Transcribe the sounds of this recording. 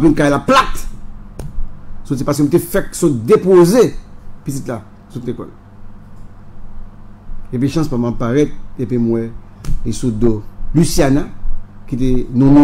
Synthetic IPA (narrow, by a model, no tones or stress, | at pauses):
apĩnkajlaplat̪ | sotipaskəmũt̪̬efɛksɔ̃td̪epozepitit̪la | sut̪lekɔ̰l | ep̬iʃãspamãpaʁɛt̪̚epimwɛ̃ | isud̪olysjanakit̪̬enɔ̃ñ